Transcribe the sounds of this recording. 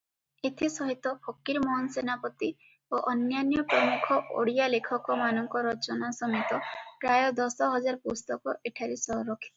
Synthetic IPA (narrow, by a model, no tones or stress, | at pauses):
et̪ʰisɔɦit̪ɔpʰɔkiɾmɔɦɔnsenapɔt̪i | oʔɔnjanjɔpɾɔmukʰɔʔo̰ɽijalekʰɔkɔmanɔŋkɔɾɔt͡ʃɔnasɔmit̪ɔpɾajɔd̪ɔsɔɦɔd͡ʒaɾɔpust̪ɔkɔʔeʈʰaɾisɔɾɔkʰi̥